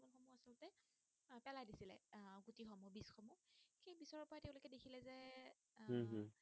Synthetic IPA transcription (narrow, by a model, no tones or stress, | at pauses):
bɔnxɔmuasɔltɛ | pɛlajdisilɛ̰ɡutixɔmɔbisxɔmuxejbisɔɹɔpɔɹatɛʊ̃lokɛdekʰilɛzɛ | ɦ